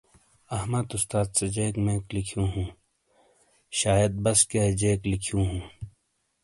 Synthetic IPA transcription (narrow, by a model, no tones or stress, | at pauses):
ɐhmɐd̪ʊst̪aːd̪sed͡ʑeːkmẽːklikʰjũːɦũː | ʃaːjɐd̪̚bɐsked͡ʒeːklikʰijũːɦũː